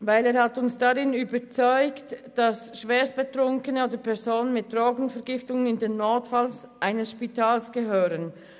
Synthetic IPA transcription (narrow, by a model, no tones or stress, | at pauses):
vaɪleːʁhɑtʊnsd̥aʁɪnyːbət͡sɔʏktd̥ɑsʃv̥ɛːst̚b̥ətʁʊŋkənəoːdəpʰɛɐzoːnənmɪt̚d̥ʁɔːɡn̩fɛɐʁɡɪftʊŋənɪndenːotfalsʔaɪnəsʃpitʰaːlsɡ̥əɦøːɾən